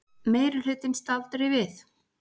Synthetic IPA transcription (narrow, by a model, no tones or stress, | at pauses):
meːjɾʏl̥ʏt̪ɪnst̪alt̪ɾɪvɪθ